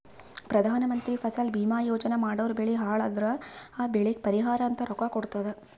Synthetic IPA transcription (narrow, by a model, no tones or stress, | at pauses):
pɾɐd̪ʱaːnɐmɐnt̪ɾipʰɐsɐlbiːmaːjoːd͡ʒɐnemaːɽɐʋɐɾubeɭiɦaːɭaːd̪ɾɐaːbeɭiɡ̚pɐɾiɦaːɾɐːnt̪ɐɾɔkakoɽt̪ad̪e